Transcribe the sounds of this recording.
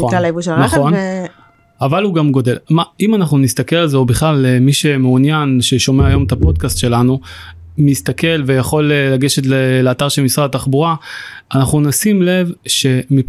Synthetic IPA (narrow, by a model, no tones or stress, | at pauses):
alaivuʃelnaχon | avaluɡamɡo̞d̪e̞lmaimanaχnunist̪ake̞lalzeobiχlalemiʃe̞meunjanʃeʃo̞meajo̞mt̪apo̞d̪̚kast̪ʃe̞lanu | mist̪ake̞lvejaχo̞lelaɡe̞ʃet̪leleaːt̪aʁʃelmisʁadat̪aχbuʁaːnaχnunasimle̞vʃe̞mi